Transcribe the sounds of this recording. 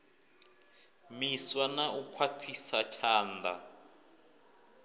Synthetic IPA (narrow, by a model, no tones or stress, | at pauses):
miswanaʔukʰwatʰisat͡ʃʰaːnda̰